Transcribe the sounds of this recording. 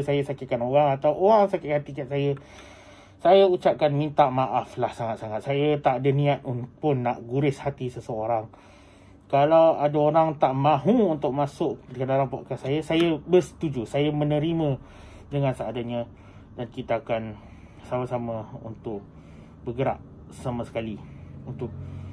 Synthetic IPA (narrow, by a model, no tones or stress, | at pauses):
sajasakɪkanowaŋat̪awʔowaŋsakɪʔkat̪ikaʔ̪̚sajə | sajaut͡ʃap̚kanmint̪aʔmaʔaflahsaŋat̪̚saŋat̪̚sajat̪aʔadanĩat̪̚unpʊnːaʔɡuɾɪshat̪isəsəoɾaŋ | kalawadaoɾaŋt̪aʔmãɦũːnt̪ʊʔ̚masʊʔdikədalaŋpaʔkasajasajabərsə̥t̪ud͡ʒusajamə̃nə̃ɾimə̃ | dəŋãnsaadaɲa | dankit̪aːkan | samasaməṵnt̪ʊʔ | bəɡəɾa̰ʔ̚ | samasə̥kaliunt̪ʊʔ̚